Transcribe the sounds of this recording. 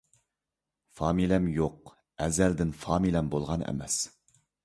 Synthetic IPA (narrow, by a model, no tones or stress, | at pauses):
fɑːmilɛmjoq̚ | ɛzæld̪ɪnfɑːmilɛmbolˠʁɑnæ̰mɛ̰s